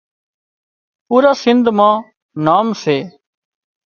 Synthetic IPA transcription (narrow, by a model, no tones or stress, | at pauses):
puːɾaːsɪnd̪ʱmãː | naːmseː